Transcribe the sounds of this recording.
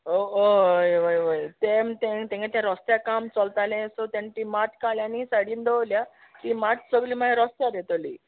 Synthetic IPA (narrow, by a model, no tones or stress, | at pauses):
oojʋəjʋəjt̪emt̪ẽt̪ɛ̃ŋɡat̪jãɾɔst̪jakamt͡sɔlt̪alẽsɔt̪ẽnt̪imaʈʰkaljanisaɽiːnd̪ɔlja | t̪imaʈ̚səɡlimaɾɔst̪jaɾet̪olḭː